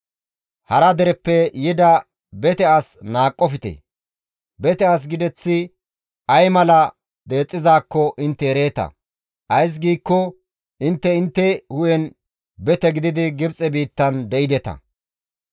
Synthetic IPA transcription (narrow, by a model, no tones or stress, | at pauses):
hɐɾɐd̪ɛɾɛpːɛjɪd̪ɐ | bɛt̪ɛasnaːkʼːɔfɪt̪ɛ̰ | bɛt̪ɛas̬ɡɪd̪ɛt͡sːɪ | ɐjmɐlɐ | d̪e̞ːt͡sʼːɪzaːkːɔʔɪnt̪ːɛɛɾe̞ːt̪ɐ̰ | ʔɐjs̬ɡiːkːɔ | ʔɪnt̪ːɛɪnt̪ːɛhʊjɛn | bɛt̪ɛɡɪd̪ɪd̪ɪɡɪbt͡sʼɛbiːt̪ːɐnd̪ɛɪd̪ɛt̪ɐ̰